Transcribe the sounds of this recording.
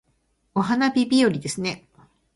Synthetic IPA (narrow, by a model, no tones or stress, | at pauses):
o̞ɦanabʲibʲioɾʲid̪e̞sɨne̞